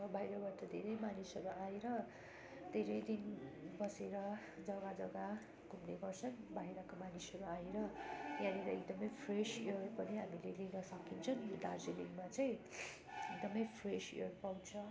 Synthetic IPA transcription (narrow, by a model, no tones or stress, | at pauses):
bʱajɾʌbat̪ʌd̪ʱeɾejmanisʌɾuʔaeɾʌ | d̪ʱeɾʌjd̪inbʌseɾʌ | d͡zʌɡad͡zʌɡa | kumdeɡʌrt͡sʰʌnbajɾʌkomanisʌɾuaeɾʌjãneɾʌek̚d̪ʌmʌjpʰreseɽpʌniɦamileleɡʌsʌkint͡sʰʌnd̪ad͡zeliŋmat͡sʌj̃ | ek̚d̪ʌmʌjpʰresḛɽpaw̃t͡sʰʌ